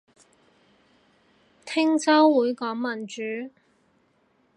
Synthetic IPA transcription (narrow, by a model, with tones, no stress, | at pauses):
t̪ʰɪ˥ŋt͡sɐ˥wwuː˨˥jkɔː˨˥ŋmɐ˨˩nt͡ʃyː˨˥